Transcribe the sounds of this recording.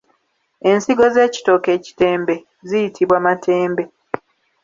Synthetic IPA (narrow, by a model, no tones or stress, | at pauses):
e̞nsiɡo̞ze̞ːci̥to̞ke̞ːci̥te̞ːmbe̞ | zijitʰiβwamatʰe̞ːmbe̞